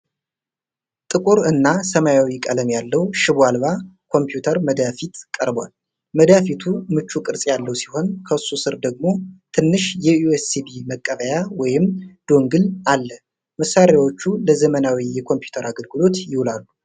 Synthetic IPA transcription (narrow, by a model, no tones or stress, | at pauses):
t̪ʼɨkʼuɾɨnːasəmajawikʼələmjalːəwʃɪbalβakʰo̞mpjut̪ʰəɾməd̪afit̪kʼəɾbwa̰l | məd̪afit̪ʰumɨt͡ʃːukʼɨɾsʼjalːəwsi̥ho̞nkʰəɨsːusɨɾd̪əɡ̚mo̞t̪ʰɨnːɨʃjɛjuesibiməkʼːəβəjawɔjɪmd̪̥o̞ŋɡɨlalːə | məsːaɾjawo̞t͡ʃːuləzəmənawijɛkʰo̞mpju̥t̪ʰəɾaɡəlɡɨlo̞t̪jɪhulalːu